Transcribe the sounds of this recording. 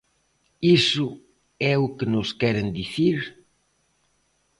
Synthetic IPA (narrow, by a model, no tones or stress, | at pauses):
isʊ | ɛʊkenʊskɛɾend̪iθiɾ